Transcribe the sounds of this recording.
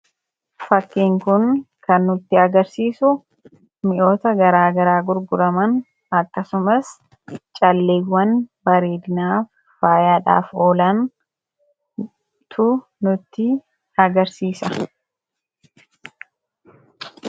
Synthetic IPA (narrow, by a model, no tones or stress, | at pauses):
fɐkːiːŋkʊn | kɐnːʊt̪ːɪɐɡɐɾsiːsʊ | mɪʔo̞ːt̪ɐɡɐɾaːɡɐɾaːɡʊɾɡʊɾɐmɐn | ɐkːɐsʊmɐs | t͡ʃʼɐlːeːwːɐnbɐɾeːd̪ɪnaːfː | aːjaːᶑa̰ːfo̞ːlɐn | t̪ʰʊ | nʊt̪ːɪ | ɐɡɐɾsiːsɐ